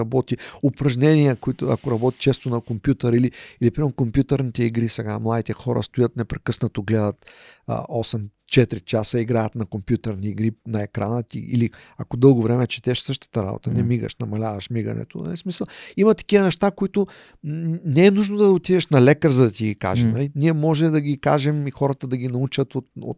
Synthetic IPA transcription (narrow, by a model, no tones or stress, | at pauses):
ɐbɔt̪iopɾɐʒnʲɛniəkoit̪ʊɐ̰koɾɐbɔt̪i̥t͡ʃɛst̪onɐkompjut̪əɾiliilipɾimɛʊkompjut̪əɾnit̪ɛiɡɾisɛɡa̰mlˠad̪it̪ɛxɔɾə̰st̪ojət̪nɛpɾɛkɤsnət̪oɡlɛd̪ət̪ə̰ɔsɛm | t͡ʃɛt̪ɾit͡ʃasəiɡɾajət̪nɐkompjut̪əɾniːɡɾinɐɛkɾanət̪ḭḭliakod̪ɤlˠɡovɾɛmɛt͡ʃɛ̥t̪ɛʃsɤʃt̪ə̥t̪əɾa̰bo̰t̪ənɛmiɡə̰ʃnɐmɐlʲavɐʃmiɡɐ̰nɛ̰t̪o̰smisəlˠimɐt̪ɐ̥kʲivənɛʃt̪akoit̪ʊ | nɛɛnuʒnod̪ɐot̪ivɛʃnɐlɛkəɾzɐd̪ɐt̪iɡika̰ʒɛmnɐliniɛmɔʒɛd̪ɐɡʲikaʒɛmixɔɾət̪əd̪ɐɡʲinɐut͡ʃət̪ot̪o̰t̪